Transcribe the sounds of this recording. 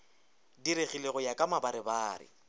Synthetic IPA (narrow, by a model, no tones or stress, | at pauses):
diɾeɣileɣʊjakʼamabaɾɪbaːɾɪ̰